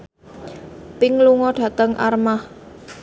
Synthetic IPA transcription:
pɪŋluŋɔɖ̥ä̤t̪əŋʔa̰rmah

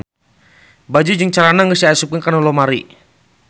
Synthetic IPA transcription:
bad͡ʒud͡ʒəŋt͡ʃalanaŋɡəsiasupiŋkanulɔmaɾḭ

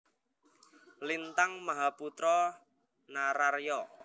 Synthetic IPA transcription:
lint̪aŋmaɦaput̪ɾɔ | naɾarjɔ

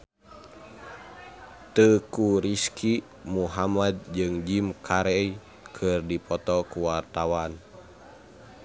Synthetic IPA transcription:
t̪əkuɾiskʰi | muɦamad̪̚d͡ʒɨŋd͡ʒimkʰaɾɛi | kʰɨrdipʰɔt̪ɔkuwart̪awan

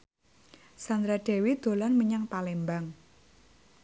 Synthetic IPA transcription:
sand̪ɾaɖ̥ɛ̤wid̪̥o̤lanməɲaŋpalembaŋ

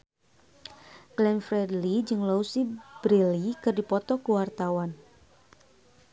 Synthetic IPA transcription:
ɡlɛnfɾɛdlid͡ʒɨŋlousib̥ɾilikɨrdipɔt̪ɔkuwart̪awan

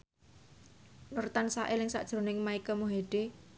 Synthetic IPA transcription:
nʊrt̪ansaʔɪlɪŋsa̰ʔd̥ʒ̥ɾo̤nɪŋmaikəmuɦeɖ̥e

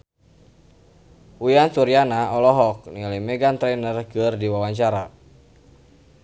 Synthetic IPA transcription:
ujantuɾjanaɔlɔɦɔk̚nilimɛɡant̪ɾɛnərkɨrdiwawaɲt͡ʃaɾa

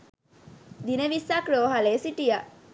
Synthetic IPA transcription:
d̪ineʋisakɾoːɦɐleːsiʈija

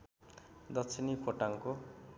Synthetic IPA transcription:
d̪ʌkt͡sʰinipʰoʈaŋko

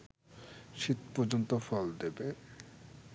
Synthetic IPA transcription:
ʃit̪pɔɾd͡ʑont̪ofɔld̪ebe

